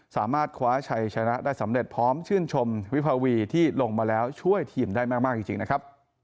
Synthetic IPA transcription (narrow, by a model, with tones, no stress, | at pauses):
saː˩˦maː˥˩t̪̚kʰwaː˦˥t͡ɕʰa˧jt͡ɕʰa˧na˦˥ʔdaː˥˩jsa˩˦mɾe˨˩t̪̚pʰɾɔː˦˥mt͡ɕʰɯː˥˩nt͡ɕʰo˧mwi˦˥pʰaː˧wiː˧t̪ʰiː˥˩lo˧ŋmaː˧lɛː˦˥wt͡ɕʰu˥˩əjt̪ʰiː˨˩mdaː˥˩jmaː˥˩k̚maː˥k̚t͡ɕi˧˩t͡ɕḭ˧ŋna˦˥kʰɾa˦˥p̚